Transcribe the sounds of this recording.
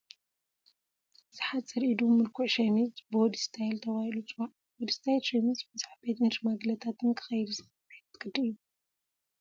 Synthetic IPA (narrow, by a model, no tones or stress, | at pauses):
bɨzɨħat̪sɨɾʔid̪umɨɾkʰuʕʃɐmit͡sbod̪ist̪ʰajlt̪ʰɐβahilut͡sʼɨwaʕ | bod̪ist̪ʰajt̪ɾemisbɨzaħbet̪ɨnʃmaɡlɐt̪ʰat̪ʰɨnkʰɨ̥xɐjd̪uzɨxɐħt̪ʰːɨ̥kʼɨd̪iɨjːu